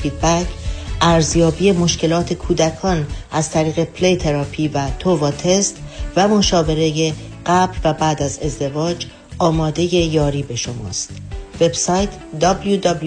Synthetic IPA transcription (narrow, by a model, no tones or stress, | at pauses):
fiːd̪̚bæcʰʔæɾzjɒːbiːe̞mo̞ʃcʰe̞lɒːt̪ʰe̞kʰuːd̪ækʰɒːnæzt̪ʰæɾiːɣe̞pʰlejt̪ʰe̞ɾɒpʰiːvæt̪ʰovɒːt̪ʰe̞st̪væmo̞ʃɒːve̞ɾe̞je | ɢæblvæbæːd̪æze̞zd̪e̞vɒːd͡ʒ | ʔɒːmɒːd̪e̞je̞jɒːɾiːbe̞ʃo̞mɒ̰ːst̪ve̞b̥sɒːjt̪ʰd̪ɒbljud̪ɒbl